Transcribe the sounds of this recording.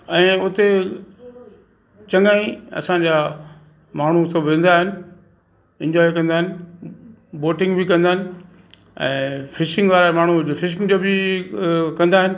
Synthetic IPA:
ɛ̃ːʊt̪e | t͡ɕɐ̃ŋɡaːĩɐ̰sãɲd͡ʑaː | maːɳ̤usɐbʱʋẽːnd̪aːɦɪnɪ̆ | ɛ̃ɲd͡ʑɔːikɐ̃nd̪aːɦɪnɪ | boːʈɪ̃ŋɡbʱɪkɐ̃nd̪aːɪnɪ̆ | ɛ̰̃ːfɪʃɪ̃ŋɡʋaːɾamaːɳ̤ufɪʃɪ̃ŋɡd͡ʑoːbɪ | kɐ̃nd̪aːɦɪnɪ̆

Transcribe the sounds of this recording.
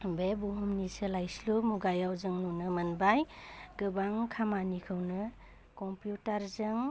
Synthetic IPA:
bebuɦumnisɯlajslumuɡajawzɯŋnunɯmɐnbajɡ̥ɯbaŋkʰamanikʰɯwnɯ | kɔmpjutaɾzɯŋ

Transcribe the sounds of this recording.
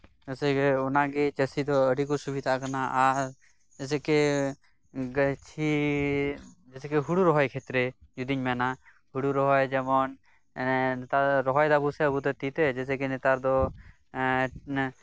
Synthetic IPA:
əsɛkeɔnaɡet͡ʃəsid̪ɔəɽikɔsubʱid̪ʱakanaʔaɾ | d͡ʒɛsɛke | ɡət͡ʃʰi | d͡ʒɛsɛkeɦuɽuɾɔɦɔjkʰet̪ɾejud̪iɲmɛna | huɽuɾɔɦɔjd͡ʒɛmɔn | nt̪aɾɔɦɔjd̪abusɛəbut̪ɛt̪it̪ɛd͡ʒɛsɛkenet̪aɾd̪ɔ

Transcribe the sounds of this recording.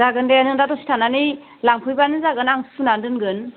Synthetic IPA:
aɡɯndenɯŋdatɔsi̥tʰanani | laŋpʰujbanɯzaɡɯnaŋsunandɯnɡɯn

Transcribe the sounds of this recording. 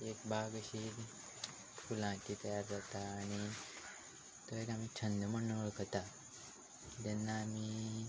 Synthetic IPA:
ekbʱaɡəɕi | fulãʈiːt̪əjaɾd͡zat̪aːɽ̃i | t̪əekam̤iːt͡ɕʰənd̪əməɳːəʋəɭkət̪a | t̪ɛnːaːmiː

